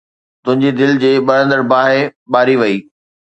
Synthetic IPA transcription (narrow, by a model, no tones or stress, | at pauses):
t̪ʊ̃ɦɪ̃ɲd͡ʑed̪ɪld͡ʑeːɓɐɾə̃nd̪əɾbaːɦeɓaːɾiʋɐiː